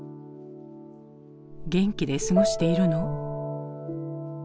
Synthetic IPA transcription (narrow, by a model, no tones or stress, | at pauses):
ɡẽ̞ŋkʲid̪e̞sɨɡo̞ɕi̥t̪e̞iɾɯ̟no